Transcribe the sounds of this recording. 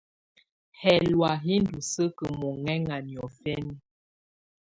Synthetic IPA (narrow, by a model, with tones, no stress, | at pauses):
hɛ˨lwa˨ɦi˦n˦du˨sə˦kə˨mɔ˨ŋɛ˦ŋa˨njɔ˨fɛ˦ni˦